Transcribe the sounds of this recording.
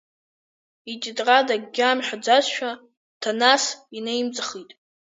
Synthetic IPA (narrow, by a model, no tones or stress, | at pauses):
it͡ʃʼɪdʼradaɡɡʲaːmħʷᶣad͡zasʃᶣa | tʰanasinejmt͡sʼaχitʼ